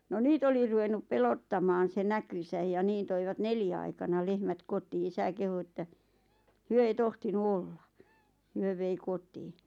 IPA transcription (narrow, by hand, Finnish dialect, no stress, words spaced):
no niːt oli ruʋenːup pelotːɑmɑːn se nækysæj jɑ niːn toiʋɑt neljæ ɑikɑnɑ lehmæt kotiː isæ kehu etːæ hyø ei tohtinu olːɑ hyø ʋei kotiːn̥